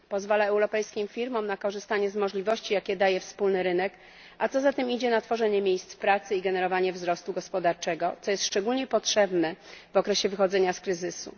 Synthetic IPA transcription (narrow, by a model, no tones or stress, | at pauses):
pɔzvalaɛwɾɔpɛjskʲimfʲiɾmɔmnakɔʐɘst̪aɲɛzmɔʐlʲivɔɕt͡ɕijakʲɛd̪ajɛfspulnɘɾɘnɛk | ʔat̪sɔzat̪ɛmid͡ʑɛnat̪fɔʐɛɲɛmʲjejst̪spɾat̪sɘiɡɛnɛɾɔvaɲɛvzɾɔst̪uɡɔspɔd̪aɾt͡ʂɛɡɔt̪sɔjɛst̪ʂt͡ʂɛɡulɲɛpɔtʂɛbnɛvɔkɾɛɕɛvɘxɔd̪zɛɲaskɾɘzɘsṵ